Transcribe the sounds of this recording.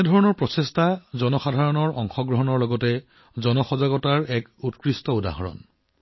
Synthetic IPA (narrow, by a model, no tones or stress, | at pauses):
ɛdʱɔɹɔnɔɹpɹɔsestazɔnɔxadʱaɹɔnɔɹɔŋxɔɡɹɔɦɔnɔɹlɔɡɔtɛ | zɔnɔxɔzaɡɔtaɹɛkutkɹistɔuda̰ɦɔɹɔ̰n